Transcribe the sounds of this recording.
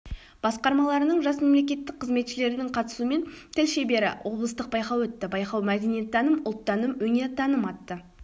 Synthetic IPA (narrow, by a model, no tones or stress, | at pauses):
b̥ɑsqɑɾmɑlˠɑɾənəɴʒɑsme̞mle̞kʲe̞t̪ːɪk̚qʰːəzme̞t̪ʃɪle̞ɾɪd̪ɪɴqʰɑt̪ə̥suəme̞nt̪ʰɪlʃe̞be̞ɾɪ̰wʔo̞blˠəst̪əq̚bɑjqɑwɵt̪ːɪbɑjqɑwmæd̪enijet̪̚ːɑnəmʊlˠt̪ːɑnəmwɵneɾd̪ɑnəmɑt̪ːə